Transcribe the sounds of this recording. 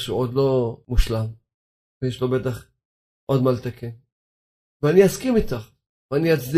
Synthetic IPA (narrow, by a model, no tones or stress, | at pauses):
ʃṵʔod̪lo̞muʃlam | vejeʃlo̞bet̪aχ | ʔo̞d̪malt̪akʰen | veaniaskimit̪aχ | veaniat͡sd̪i